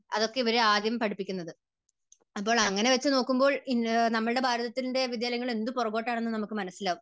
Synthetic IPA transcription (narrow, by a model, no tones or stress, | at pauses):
ɐ̰ðo̞kːe̞iʋɐɾeaːd̪jɐmpɐɽipːikʲːunːɐðɨ | ɐp̬ːo̞ːɭɐŋːɐne̞ʋɐt͡ɕːɨno̞ːkːumbo̞ːɭinɐmːɐɭɨɽe̞bʱaːɾɐðɐt̪ːilnde̞ʋid̪jaːlɐŋːɐɭe̞nd̪upɔrɐkːo̞ːʈːaːɳe̞nːɨnɐmukːɨmɐnɐsːilaːʋu